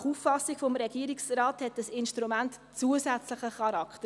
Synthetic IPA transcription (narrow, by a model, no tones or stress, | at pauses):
χufːɑsiɡfɔmɾɛɡiəɾiksrɑːthɛtəsɪnʃtɾumænt | t͡suəsæt͡slɪχəχɑɾɑktə